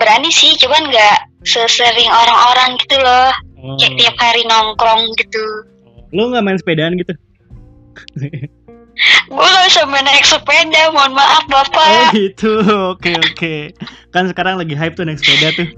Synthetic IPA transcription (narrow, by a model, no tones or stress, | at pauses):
bəɾanisɪht͡ʃumanŋɡaʔ | səsəɾɪŋoɾaŋoɾaŋɡit̪ulɔhkaɛk̚t̪iap̚haɾinɔŋkɾɔŋɡit̪u | loŋɡaʔmaɪnsə̥pedaːnɡit̪u | ɡolasamənaksəpedamaʊnmaʔafbapaɡit̪uokeokekansəkaɾaŋlaɡiɦaɪp̚t̪unaɪksə̥pedat̪ʊh